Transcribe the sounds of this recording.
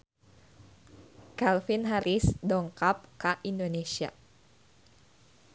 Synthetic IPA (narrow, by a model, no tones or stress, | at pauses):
kalfinɦaɾʔisdɔŋkap̚kaʔindonesia̰